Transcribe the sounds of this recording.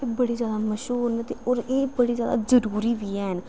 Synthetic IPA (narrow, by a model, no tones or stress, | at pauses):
ebəɽiːzjaːd̪aːməʃɦuːɾnɛt̪eʔɔːɾeːbəɽiːzja̰ːd̪a̰ːzəɾuːɾiːʋiːɛːɦən